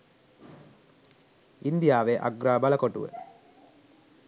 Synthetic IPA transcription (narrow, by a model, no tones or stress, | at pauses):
ind̪ijaːʋeʔa̰ɡɾaːbalɐkoʈuʋə̰